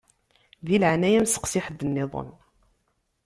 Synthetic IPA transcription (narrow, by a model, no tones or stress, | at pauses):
ðilʕanæjæmsə̥qsɪħəd̪ːənːɪðˤə̰n